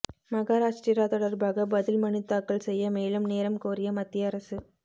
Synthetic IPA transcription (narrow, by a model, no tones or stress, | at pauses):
mɐɣaːɾaːʂʈiɾaːt̪ɔɽɐɾbaːɣɐbɐðɪlmɐɳɪt̪ːaːkːɐɭsɛjːɐmeːlɯmneːɾɐmkoːɾɪjɐmɐt̪ːjɐɐɾɐsɯ